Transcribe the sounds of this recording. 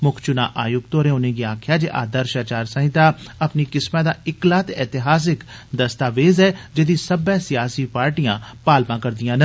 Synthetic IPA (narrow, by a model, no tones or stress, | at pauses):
mʊkʰt͡ʃʊnaːʔaːjʊɡt̪oːɾẽːʊnẽːɡiaːkʰjaːd͡ʒeʔa̰ːd̪əɾʃaːt͡ʃaːɾsə̃ɦɪ̃t̪aːəpniːkɪsmãːd̪aːɪklaːt̪ɛːt̪ɪɦaːs̬ɪkd̪əst̪aːʋeːzɛːd͡ʒeːd̪isəbɛːsɪjaːsiːpaːɾʈijãːpaːlmãːkəɾd̪ijãːnə